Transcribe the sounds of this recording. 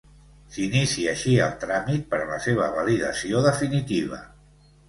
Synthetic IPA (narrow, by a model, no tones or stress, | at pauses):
sinisiəʃiəlˠt̪ɾamit̪̚pəɾləseβ̞əβəliðəsioðəfinit̪iβ̞ə̰